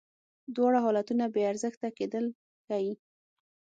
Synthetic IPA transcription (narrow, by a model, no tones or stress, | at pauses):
d̪wɑɽaɦɔlat̪unabeaɾzəxt̪aked̪əl | kawi